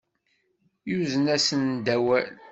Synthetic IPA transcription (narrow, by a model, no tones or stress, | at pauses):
juzənæsənd̪æwæl